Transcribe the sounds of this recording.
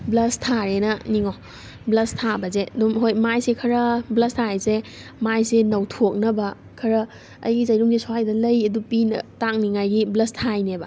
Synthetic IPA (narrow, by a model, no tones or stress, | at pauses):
blɐstʰaɾenɐniŋo | blɐstʰabɐzeɐdumɦojmajsekʰɐɾɐblɐstʰaejzemajsenɐwtʰok̚nɐbɐ | kʰɐɾɐ | ɐ̰jɡizɐjɾuŋzisoajdɐlɐjɐdupinɐ̰taŋniŋajɡiblɐstʰajnebɐ